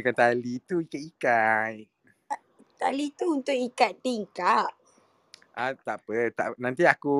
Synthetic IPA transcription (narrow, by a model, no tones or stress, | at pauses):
kant̪alit̪uikatikaj | t̪a̰lit̪uːnt̪ʊʔikat̪̚t̪iŋkaʔ̚ | ʔat̪aʔpət̪aʔnãnt̪iaku